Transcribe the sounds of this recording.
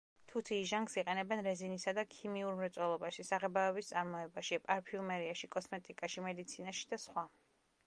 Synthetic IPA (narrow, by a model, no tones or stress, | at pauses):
t̪ʰut̪ʰiːʒaŋɡksiqʼɛnɛbɛnɾɛzinisad̪akʰimiuɾmɾɛt̪sʼwɛlˠɔbaʃisaʁɛbaɔbist̪sʼaɾmɔɛbaʃiɛpʼaɾpʰiumɛɾiaʃikʼɔsmɛt̪ʼikʼaʃimɛd̪it̪sʰinaʃi̥d̪asχwa